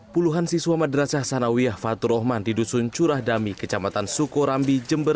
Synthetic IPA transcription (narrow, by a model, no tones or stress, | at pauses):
puluɦansisuwamadɾasasanawiafat̪uɾɔɦmandidusunt͡ʃuɾahdamikət͡ʃamat̪ansukoɾambid͡ʒəmbər